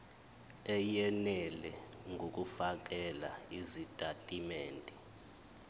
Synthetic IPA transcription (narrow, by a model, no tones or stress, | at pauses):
ɛjɛnɛlɛ | ŋʱok̬ʼufak̬ʼɛla̰izitʼatʼimɛːntʼi